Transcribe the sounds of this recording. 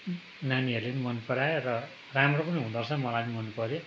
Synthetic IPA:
naniʌɾlenimʌnpʌɾarʌ | ramropʌniɦũd̪ʌrsʰʌmʌlajnimʌnːupʌɾo

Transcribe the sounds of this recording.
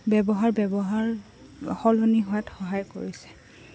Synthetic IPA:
bɛbɔɦaɹbɛbɔɦaɹ | xɔlɔniɦɔjatxɔɦajko̰ɹisɛ̥

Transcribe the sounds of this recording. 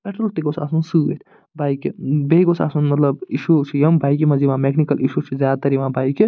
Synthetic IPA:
peʈɾɐlt̪eɡosaːsunsuːet̪ʰ | bajkibeɡosa̰ːsunmɐt̪lɐbiʃut͡ʃʰijɐmbajkimɐziʋãːmekʰnikɐliʃut͡ʃʰuzjaːd̪at̪ɐɾiʋãbajki

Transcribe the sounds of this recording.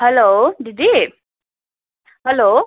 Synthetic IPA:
hɛlodidi | hɛlo

